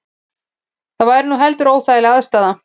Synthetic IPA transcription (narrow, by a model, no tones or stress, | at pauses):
θavajɾnuɦɛlt̪ʏɾoːwθaɪlaðst̪aːða